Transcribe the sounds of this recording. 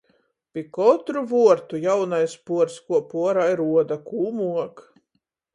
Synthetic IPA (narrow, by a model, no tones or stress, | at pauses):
pʲikɔt̪ɾuvuɔɾt̪ujawnajspuɔɾskuɔpuɔɾajɾuɔd̪akuːmuɔk